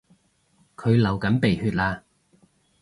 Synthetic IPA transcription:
kʰɵ˨˧ɥlɐ˨˩wkɐ˨˥npe˨˩jhyː˧t̚laː˧

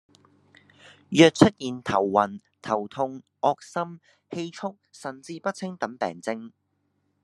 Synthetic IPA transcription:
jœː˨˧k̚t͡ʃt͡sʰɵ˥t̚jiː˨˩nt̪ʰɐ˨˩wːɐ˨˩n | t̪ʰɐ˨˩wt̪ʰʊ˧ŋʔɔː˧k̚sɐ˥m | he˧jt͡sʰʊ˥k̚sɐ˨˩nt͡siː˧pɐ˥t̚t͡sʰɪ˥ŋt̪ɐ˨˥mpɛ̰ː˨ŋt͡sɪ˧ŋ

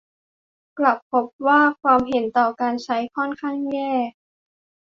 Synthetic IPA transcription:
kla˨˩pʰːo˦˥p̚waː˥˩kʰwaː˧mɦe˩˦nt̪ɔː˨˩kaː˧nt͡ɕʰa˦˥jkʰɔ˥˩˨nkʰa˥˩ŋjɛː˥˩

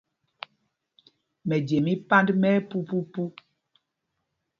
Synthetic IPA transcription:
mɛ˨d͡ʒe˨mi˦pa˦ndmɛ˦pu˦pu˦pu˦

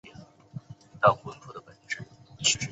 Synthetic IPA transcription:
t̪ɑ˥˩ʊkʊ˥nt̪ʰu˨˥˩d̪ə˧pə˨˩nʈ͡ʂɻ̩˥˩˥

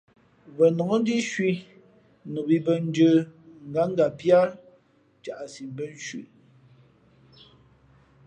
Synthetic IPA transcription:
βə˨nɔ˨ŋo˦n˦di˦ʃwi˦ | nu˨bi˨˦bə˦n˦d͡ʒə˦ŋ̩˨ɡa˨˦ŋ̩˦ɡa˨pja˦ | t͡ʃa˨ʔa˨si˨mbə˦n˦ʃwḭ˨

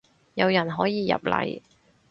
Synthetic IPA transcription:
jɐ˨˧wjɐ˨˩nɦɔː˨˥jiː˨˧jɐ̰˨˩p̚lɐ̰˨˧˩j

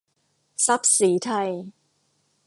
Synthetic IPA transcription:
sa˦˥p̚siː˩˦t̪ʰa˧j

